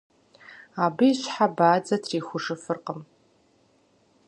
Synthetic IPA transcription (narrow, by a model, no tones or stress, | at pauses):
abɨiːʃʷħabaːd͡zatʰriːχʷʊʐɨfɨrqʼəm